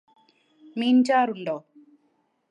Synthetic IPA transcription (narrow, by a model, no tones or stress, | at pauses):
miːnt͡ʃaːɾulɖoː